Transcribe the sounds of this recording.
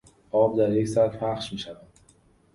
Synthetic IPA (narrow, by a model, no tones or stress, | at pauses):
ʔɒːb̚d̪æɾje̞csæt̪pʰæχʃmiːʃævænd̪̥